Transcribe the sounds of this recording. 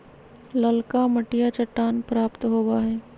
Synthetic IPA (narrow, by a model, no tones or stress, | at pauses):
lɐlkamɐʈijat͡ʃɐʈːaːnpɾaːpt̪ɦoːwaɦɛː